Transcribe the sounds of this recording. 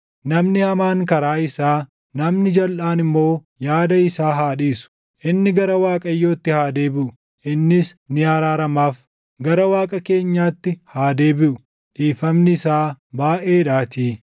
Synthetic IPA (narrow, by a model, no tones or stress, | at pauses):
nɐmnɪhɐmaːŋkɐɾaːɪsaː | nɐmnɪd͡ʒɐlʔaːnɪmːo̞ː | jaːd̪ɐɪsaːɦaːᶑiːsʊ̥ | ʔɪnːɪɡɐɾɐwaːkʼɐjːo̞ːt̪ːɪhaːd̪e̞ːbɪʔʊ | ʔɪnːɪsnɪaːɾaːɾɐmaːf | ɡɐɾɐwaːkʼɐke̞ːɲːaːt̪ːɪhaːd̪e̞ːbɪʔʊ | ᶑiːfɐmnɪɪsaːbaːʔe̞ːᶑaːt̪iː